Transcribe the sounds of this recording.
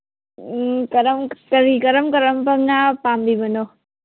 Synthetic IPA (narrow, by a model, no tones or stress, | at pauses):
kɐɾəmkəɾikɐɾəmkɐɾəmpəmnapaːmbibɐno